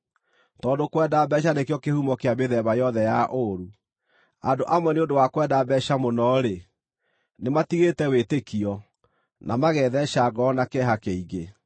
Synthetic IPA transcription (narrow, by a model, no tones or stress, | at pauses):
tɔːdokwɛdabɛʃ̬anekejɔkehumɔkeameðɛβajɔðɛjaʔoɾu | adoʔamwɛneondowakwɛdabɛʃamonɔɾe | nematiɣetɛwetekiɔ | nʔamaɣɛðɛʃaɡɔnakɛɦakeiɣe